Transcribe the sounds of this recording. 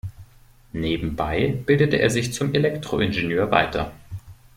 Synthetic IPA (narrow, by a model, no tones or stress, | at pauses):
neːbm̩baɪb̥ɪldətəʔeːɐzɪçt͡sʊmelɛktʁ̥oʔɪnʒenøːɐva̰ɪtʰɐ̰